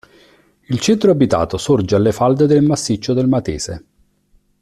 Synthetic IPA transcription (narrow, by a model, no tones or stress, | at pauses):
ilt͡ʃɛnt̪ɾoabit̪a̰ːt̪osord͡ʒealːefald̪ed̪elmasːit͡ʃːod̪elmat̪ḛːze